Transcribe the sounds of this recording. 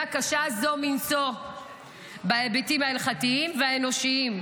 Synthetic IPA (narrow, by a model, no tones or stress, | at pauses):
akaʃazo̞minso | baebetimhaelχatiimveaeno̞ʃiim